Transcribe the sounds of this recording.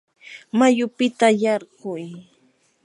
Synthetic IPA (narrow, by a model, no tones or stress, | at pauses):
majʊpɪt̪ajɑɾɢʊj